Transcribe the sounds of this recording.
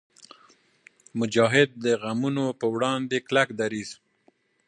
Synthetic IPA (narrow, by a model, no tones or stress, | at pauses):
mʊd͡ʒɑɦɪd̪̚ːəɣamunopəwɽɑnd̪eklakd̪aɾiz̥